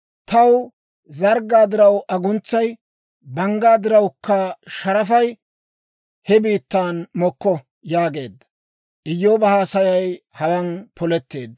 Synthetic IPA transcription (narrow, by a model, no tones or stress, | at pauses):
t̪ɐw | zɐɾɡaːd̪ɪɾɐwʔɐɡʊnt͡sːɐj | bɐŋɡaːd̪ɪɾɐwkʰːɐʃɐɾɐfɐj | hɛbiːt̪ːaːnmɔkːɔ | jaːɡe̞ːd̪ɐ | ʔɪjːoːbɐhaːsɐjɐjhɐwɐnpɔlɛt̪ːe̞ːd̪